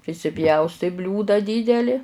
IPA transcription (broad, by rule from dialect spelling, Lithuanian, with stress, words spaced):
pʲrʲɪsʲɪˈpʲjɛʊstɐɪ ˈbʲlʲuːdɐ ˈdʲiːdʲɛlʲɪ